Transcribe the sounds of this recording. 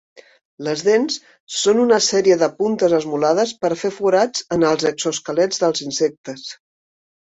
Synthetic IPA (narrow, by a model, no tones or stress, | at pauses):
ləzðensː | onunəsɛɾiəðəpunt̪əzəzmulað̞əspəɾfefuɾad͡zənəlˠzəkz̥oskəlɛd͡zðəlˠzinsek̚t̪əs